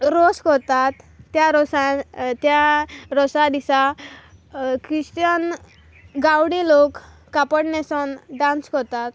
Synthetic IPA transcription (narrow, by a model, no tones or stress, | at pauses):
ɾoskɔɾt̪at̪ːjaɾɔsãt̪jaɾɔsad̪isa | kɾiɕt̪ən | ɡawɽilokː | apəɽnesɔnɖãnskɔɾt̪at̪